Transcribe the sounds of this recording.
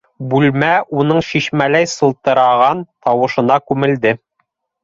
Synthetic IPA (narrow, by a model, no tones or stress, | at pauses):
bʉlmæʔun̪ɤɴɕiʃmælæjsɤ̆lˠt̪ɤ̆ɾɑʁɑnt̪ɑwɤ̆ʃɤ̆nɑkʉmɘ̆ld̪ɘ